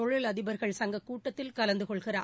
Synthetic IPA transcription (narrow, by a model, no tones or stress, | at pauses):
ɔɻɪlɐðɪbɐɾɣɐɭsɐŋɡɐkːuːʈːɐt̪ːɪlkɐlɐnd̪ɯkɔɭɣɪraː